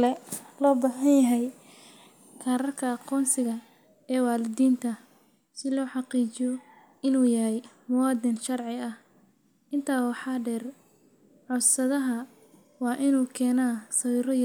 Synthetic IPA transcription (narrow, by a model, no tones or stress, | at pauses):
lɛlɔːbaːɦɐnjɐɦɛj | kʰaːɾɐrkʰɐɑqɔːnsɪɣɐ | ɛːwɑːlɪd̪iːnt̪ʰɐ | sɪlɔːħɑqiːt͡ʃɪjɔ | ɪnuːjɐɦɛjmʊwɑːd̪ɪnʃɐrʕɪɐh | ʔɪnt̪ʰaːwɑħɑːɖɛːr | ʕɔsɐðɐɦɐ | wɑːʔɪnuːkʰɛːnaːsɐwiːɾɔj